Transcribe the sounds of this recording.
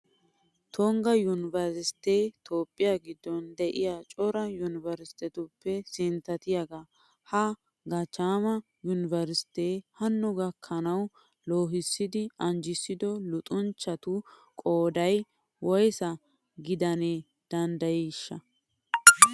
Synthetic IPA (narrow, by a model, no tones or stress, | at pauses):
t̪ʰɔŋɡɐjʊnɪvɐɾsɪsɪ̥t̪eːt̪ʰoːpʼːɪjaɡɪd̪ːɔnd̪ɛʔɪjat͡ʃʼɔɾɐjʊnɪvɐɾsɪ̥t̪ɛt̪ʊpːɛsɪnt̪ɐt̪ɪjɐɡɐ | hɐ | ɡɐt͡ʃaːmɐ | jʊnɪvɐɾsɪ̥t̪eːhɐnːʊɡɐkʰːɐnɐw | loːɦɪsːɪd̪ɪɐɲd͡ʒɪsːɪd̪ɔlʊt̪ʼʊnt͡ʃːɐt̪ʊkʼoːd̪ɐj | wɔjsɐ | ɡɪd̪ɐne | d̪̥ɐnd̪ɐjɛʃːɐ